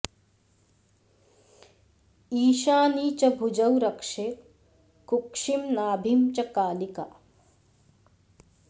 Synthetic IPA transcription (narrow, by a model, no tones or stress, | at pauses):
iːʃaːniːt͡ʃɐbʱud͡ʒɐwɾɐkʂeːt̪ | kukʂimnaːbʱimt͡ʃɐkaːlika̰ː